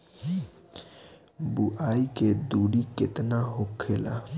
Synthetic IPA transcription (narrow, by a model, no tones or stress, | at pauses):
buʔaːiked̪uɽiket̪naɦokʰːela̰